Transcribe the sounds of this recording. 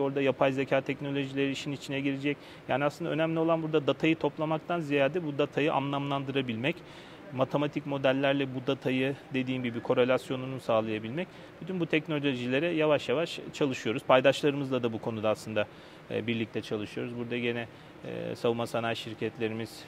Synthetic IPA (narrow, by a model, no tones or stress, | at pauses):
o̞ɾd̪ajapʰajzecʰaːt̪ʰɛcno̞lʲo̞ʒilʲe̞ɾiːʃinit͡ʃʰinɛɟiɾed͡ʒɛc | jaːniasɯnd̪a̰ø̞næmlʲio̞lˠanbuɾd̪ad̪at̪ʰajɯt̪ʰo̞plˠamak̚t̪ʰanzijaːd̪ɛbud̪at̪ʰajɯʔa̰mlˠamlˠand̪ɯɾabilʲmɛc | mat̪ʰe̞mat̪ʰicmo̞d̪ælʲːæɾlʲɛbud̪at̪ʰajɯd̪e̞d̪iːnbibikʰo̞ɾe̞lʲasjo̞nunusaːlˠajabilʲmɛc | b̥yt̪ʰynbut̪ʰɛcno̞lʲoʒilʲe̞ɾɛjavaʃjavaʃt͡ʃʰalˠɯʃɯjo̞ɾuz̥pʰajd̪aʃlˠaɾɯmɯzlˠad̪abukʰo̞nud̪aːslˠɯnd̪a̰ | biɾlʲic̚t̪ʰɛt͡ʃʰalˠɯʃɯjo̞ɾuzbuɾd̪aɟe̞nɛ̰ | savumasanaːjʃiɾcʰɛt̪lʲe̞ɾimiz̥